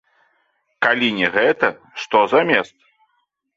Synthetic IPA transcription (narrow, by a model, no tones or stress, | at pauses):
kalʲinʲɛɣɛt̪ɐ | ʂt̪ɔzamʲɛst̪̚